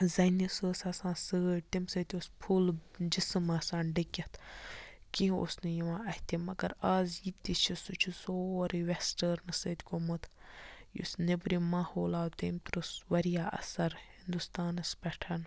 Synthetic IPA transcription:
zɐnisəːsaːsãːnsɨːʈimsət̪ʲospʰuld͡ʒisɨmɐsãːnɖikʲɐt̪ʰ | kĩɦo̰snɨjiʋãːɐht̪imɐɡɐɾaːzjit̪it͡ʃʰisut͡ʃʰusoːɾiʋesʈəɾnɨsəːt̪ʲkomɨt̪ʰjṵsnebɾimaːhoːlaːwt̪iːmt̪uɾusʋɐɾijaːʔɐ̰sɐɾhind̪ust̪aːnɐspʲɛʈʰɐn

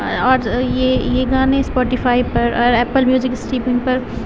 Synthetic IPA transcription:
ɔːɾjejeɡaːnẽspɔːʈɪfʰaːipɐɾɔːɾɛːpəlmjuːzɪkɪsʈiːpmɪ̃ŋʈ̚pɐɾ

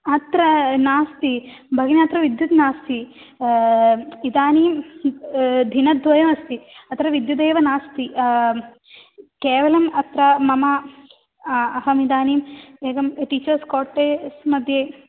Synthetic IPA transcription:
ɐt̪ɾɐnaːst̪ibʱɐɡnɐt̪ɾɐʋid̪jut̪naːst̪i | id̪aːniːm | d̪ʱinɐd̪ʱʋɐjɐmɐst̪iɐt̪ɾɐʋid̪jud̪eːʋɐnaːst̪i | keːʋɐlɐmɐt̪ɾɐmɐmɐ | ɐɦɐmid̪aːniːmeːɡɐmʈiːt͡ʃɐɾskoːɾʈeːsmɐd̪ʱjeː

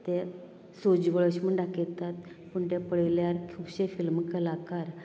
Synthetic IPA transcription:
t̪e | sod͡ʑʋəɭəɕməɳɖaket̪at̪ | puɳʈ̪epəɭiljaɾkʰuwɕefilmkəlakaɾ

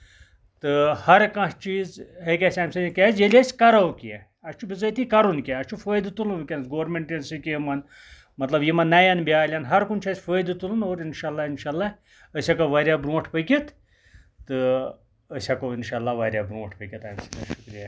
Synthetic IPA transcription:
t̪ɨhɐɾkɐ̃ʂt͡ʃiːzɦekʲasʲaːmsɐnʲikʲaːzjelʲasʲkɐɾɐwkije | ɐst͡ʃʰubʲizɐjt̪ikɐɾunkʲaɐst͡ʃʰufəːjd̪ɨt̪ulunkʲenɐsɡoːɾmʲeɳʈinsɨkʲjemɐn | mɐt̪lɐbjimɐnːɐjanbiaːlʲanɦɐɾkunt͡ʃʰaːzfəːjd̪ɨt̪ulunoːɾinʃaːlːaːinʃaːlːaː | əsʲakaʋaːɾʲjaːbɾũːʈʰpəjkʲit̪ː | ɨ | əsʲakoinʃaːlːaːʋaːɾʲjabɾõːʈʰpɐkʲit̪aːmsɐt̪ʲɐ̰ʃu̥kɾija

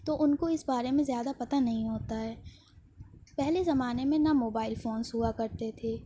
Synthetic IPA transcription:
t̪oʔʊnkoɪsbaːɾemẽzjaːd̪apɐt̪anɐɦĩɦoːt̪aɦɛː | pɛɦlezɐmaːnemẽnamoːbaːɪlfoːnsɦuakɐɾt̪et̪ʰeː

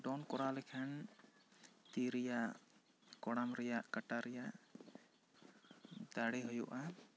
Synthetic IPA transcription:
ɖɔnkɔɾalɛkʰan | t̪iɾijaʔ | kɔɽamɾɛjaʔkaʈaɾɛjaʔ | d̪aɽiɦɔjɔʔa

